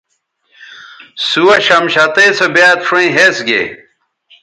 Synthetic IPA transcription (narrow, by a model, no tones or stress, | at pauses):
suwɐɕɐmɕɐt̪esobjaːt̪fɾɐ̃ĩɦesɡḛ